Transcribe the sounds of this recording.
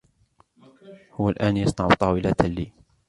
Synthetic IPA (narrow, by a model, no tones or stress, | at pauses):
hʊwːalʔaːnjɑsˤnɑʕʊ̰t̪ˤɑːwɪlat̪alːiː